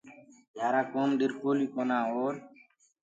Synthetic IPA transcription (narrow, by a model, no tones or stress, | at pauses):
d͡ʒjaːɾaːkoːnɗ̪ɪɾkoːliːkoːnaːoːɾ